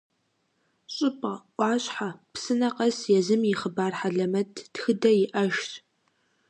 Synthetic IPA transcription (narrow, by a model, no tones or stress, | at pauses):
ɕʼɪpʼɐʔʷɑːɕʼħapsɨnɐqɐsjɛzɨmjɪχəbaːrħaɮɐmɐtʰtxɨdɐjɪʔɐʒt